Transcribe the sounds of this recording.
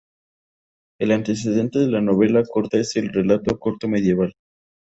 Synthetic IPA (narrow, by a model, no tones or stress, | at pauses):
e̞lant̪e̞s̬e̞ð̞e̞nt̪e̞ðelano̞βe̞lako̞ɾt̪aese̞lre̞lat̪o̞koɾt̪o̞me̞ð̞je̞βal